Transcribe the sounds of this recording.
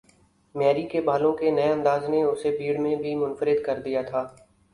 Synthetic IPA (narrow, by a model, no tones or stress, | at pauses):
mɛːɾikebaːlõkenɐeɐ̃nd̪aːzneʊsebiːɽmẽbʱimʊnfəɾɪd̪kɐɾd̪ijat̪ʰaː